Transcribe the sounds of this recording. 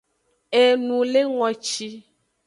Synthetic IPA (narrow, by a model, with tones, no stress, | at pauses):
e˨nũ˨le˦ŋɔ̃˨t͡ʃi˦